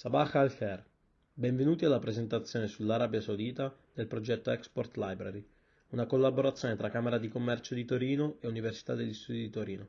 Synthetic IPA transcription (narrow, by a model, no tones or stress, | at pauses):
sabaxalkɛr | bɛɱvenuːt̪ialːapɾezent̪at̪sːjoːnesulːaɾaːbjasawd̪iːt̪ad̪elpɾod͡ʒɛt̪ːoɛkspɔrt̪lajbɾaɾi | unakolːaboɾat̪sːjoːnet̪ɾakːameɾad̪ikomːɛrt͡ʃod̪it̪oɾiːnoeuniversi̥t̪ad̪ːeʎːist̪ud̪id̪it̪oɾiːno